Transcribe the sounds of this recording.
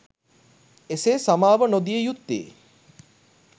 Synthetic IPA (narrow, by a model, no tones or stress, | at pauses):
eseːsamaːʋənod̪ijəjut̪ːḛː